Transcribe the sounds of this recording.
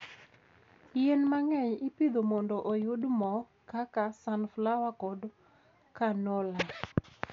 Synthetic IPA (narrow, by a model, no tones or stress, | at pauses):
jenmaŋɛɲɪpid̪omɔndɔʔojʊdmɔ | kakasanflawakɔd | kanɔla